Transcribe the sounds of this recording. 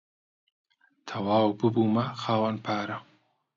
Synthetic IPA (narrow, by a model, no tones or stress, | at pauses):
t̪ʰɐwaːwbɨbumɐxaːwɐnpʰaːɾɐ